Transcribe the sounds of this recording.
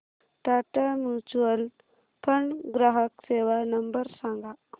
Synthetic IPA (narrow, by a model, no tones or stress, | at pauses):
ʈaːʈamjuːt͡ʃuwəl | pʰɐɳɡɾaɦəkseːʋanɐmbəɾsãŋɡʱa